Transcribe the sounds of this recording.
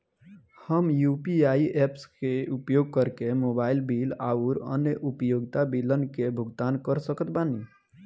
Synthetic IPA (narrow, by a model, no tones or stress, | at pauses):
həmjupiaiʔepskeupjoːɡ̚kəɾkemoːbaːɪlbilaːuɾə̰njəʔupjoːɡt̪abilənkebʱʊɡt̪aːnkəɾsəkət̪bani